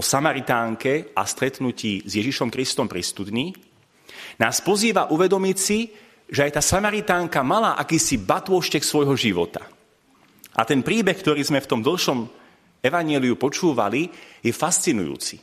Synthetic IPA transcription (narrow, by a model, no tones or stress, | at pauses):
ɔsamaɾit̪aːŋkɛʔast̪ɾɛt̪nuciːzjɛʒiʃɔmkɾist̪ɔmpɾist̪ut̪ɲiː | naːspɔziːʋaʔuʋɛd̪ɔmicsi | ʒɛajt̪aːsamaɾit̪aːŋkamalaːʔakiːsibat̪ʊɔʃt͡ʃɛksʋɔjɦɔʒiʋɔ̰t̪a̰ | ʔa̰t̪ɛnpɾiːbɛxk̚t̪ɔɾiːzmɛft̪ɔmd̪l̩ʃɔm | ɛʋaɲɪɛliupɔt͡ʃuːʋa̰lijɛfast͡sinṵjṵːt͡si